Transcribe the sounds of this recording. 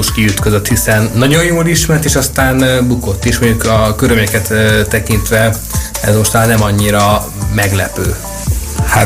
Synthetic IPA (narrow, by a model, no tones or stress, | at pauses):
oʃkiyt̪kø̞zøt̪hisɛnːɒɟo̞jjoːliʃmɛrt̪eːʃɒst̪aːnbuko̞t̪ːeːʃmoɲɟukɒkøɾylmɲɛkɛt̪ːt̪ːɛkint̪ʋɛ | ɛ̰zmo̞ʃt̪maːlnɛmɒɲːiɾɒ | mɛɡlɛ̰pø̰ː | ha